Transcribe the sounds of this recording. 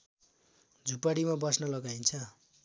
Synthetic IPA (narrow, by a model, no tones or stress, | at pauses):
d͡zʱupaɽimabʌsnʌlʌɡajnt͡sʰʌ